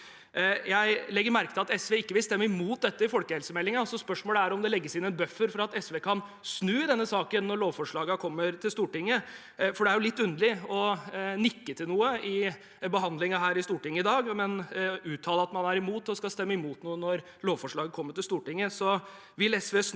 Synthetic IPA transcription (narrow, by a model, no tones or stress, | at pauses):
jæɪlɛɡːəɾmæɾkət̪ɪlɑt̪ɛsʋeːɪkːəʋɪlst̪ɛmːəɪmuːt̪̚d̪ɛt̪ːəɪfɔlkəhɛlsəmɛlːɪŋɑɑsɔspœʂmoːləæɾɔmd̪ɛlɛɡːəsɪnɛnbœfːəɾfɔɾɑt̪ɛsʋeːkʰɑnsnʉːɪd̪ɛnːəsɑːkənːɔɭoːʋfɔʂɭɑːɡɑkʰɔmːəɾt̪ʰɪlst̪uːʈɪŋːə | fɔɖɛæɾjʊlɪt̪ːʉnd̪əlɪɔnɪkːət̪ʰɪlnuːəɪ | bəɦɑnd̪lɪŋɑɦæːɾɪst̪uːʈɪŋːəɪd̪ɑːɡmɛnʉːt̪ʰːɑːləɑt̪mɑnæɾɪmuːt̪ɔskɑlst̪ɛmːəɪmuːt̪nuːənɔɾ | loːʋfɔʂɭɑːɡəkʰɔmːəʈɪlst̪uːʈɪŋːəsɔ | ʋɪlɛsʋeːs